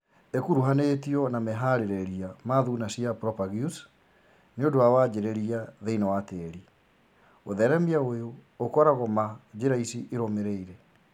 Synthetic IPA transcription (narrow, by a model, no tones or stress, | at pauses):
ekuɾuɦanetiɔnamɛɦaɾeɾɛɾiamaðunasiapɾɔpaɣjus | neodoawad͡ʑeɾɛɾiaðeinawateɾi | oðɛɾɛmiaojoːkɔɾaɣɔmad͡ʑeɾaisiʔeɾomeɾeiɾɛ